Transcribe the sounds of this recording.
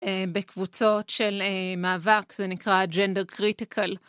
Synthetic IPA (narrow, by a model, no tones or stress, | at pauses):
ebekvut͡so̞tʃelemaːvakzenikʁad͡ʒendeʁkʁitikʰal